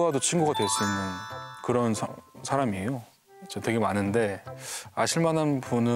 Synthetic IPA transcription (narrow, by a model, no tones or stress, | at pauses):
adot͡ɕʰinɡuɡadwe̞s͈uimɯnkɯɾʌnsʰsʰaɾamiejo | t͡ɕetwe̞ɡe̞manɯnde̞a̰ɕʰiɭmananpunɯ